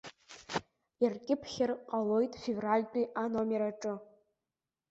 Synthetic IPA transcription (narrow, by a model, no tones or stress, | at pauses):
arkʲʼɪpʰχʲɪrqʼalo̞jtʼfʲevralʲt͡pʼiʔanomeɾaʈ͡ʂʼɨ